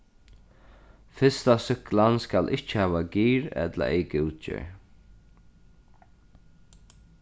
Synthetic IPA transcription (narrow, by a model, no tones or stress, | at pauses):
fɪst̪asʏklanskalʔɪht͡ʃːɪ̥haːʋaɡiːɹɛ̰t̪la̰ʔɛjkɪwt͡ʃɪ̰ɹ